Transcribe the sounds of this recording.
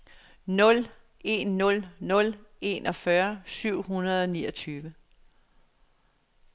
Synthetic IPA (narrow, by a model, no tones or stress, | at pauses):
nɔ̽l | e̝nːɔ̽lnɔ̽le̝nʔɒ̽fɶɐsyʊ̰ɦunɐð̞ˠɒ̽niːɒt͡sʰyːʋə